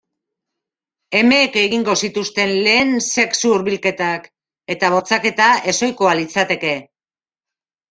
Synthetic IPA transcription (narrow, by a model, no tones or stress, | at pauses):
e̞me̞ke̞ɣiŋɡo̞sit̪ust̪e̞nle̞ːnse̞ksuuɾβilke̞t̪ak | e̞t̪aβ̞o̞t͡sake̞t̪ae̞so̞jko̞alit͡sat̪e̞ke̞